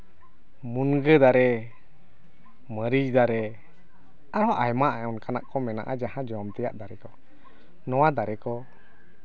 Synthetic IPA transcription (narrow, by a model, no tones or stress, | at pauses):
munɡəd̪aɾɛ | məɾid͡ʒd̪aɾɛ | aɾɔʔajmaʔaɔnkana̰ʔkɔmɛna̰ʔad͡ʒaɦãd͡ʒɔmt̪ɛja̰ʔd̪aɾɛkɔ | nɔwad̪aɾɛkɔ